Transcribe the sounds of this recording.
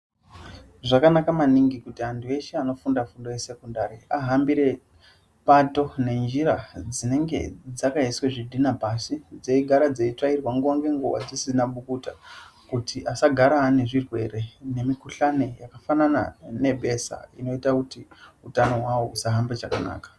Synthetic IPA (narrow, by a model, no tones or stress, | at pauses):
ʐakanakamaniŋɡikutiantʰue̞ʃeano̞fundafundo̞je̞se̞kundaɾiaɦambiɾe̞ | pato̞ne̞nd͡ʒiɾad͡zine̞ŋɡe̞̰d͡zakaisweʐidʱinapasid͡ze̞iɡʱaɾad͡zeit͡ʂairwaŋɡuwaŋɡe̞ŋɡuwa̰d͡zisinaɓukutakutiʔasaɡʱaɾaːne̞ʐirwe̞̰re̞ne̞mikuɬane̞jakafanana̰ne̞bʱe̞sa̰ino̞itakutiutano̞ɦwawousaɦambet͡ʃakana̰ːkḁ